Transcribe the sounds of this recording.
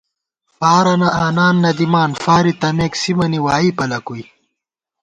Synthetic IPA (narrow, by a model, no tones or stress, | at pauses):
faːɾɐnɐʔaːnaːnːɐd̪imaːnfaːɾit̪ɐmeːksimɐniwaːipɐlɐkuj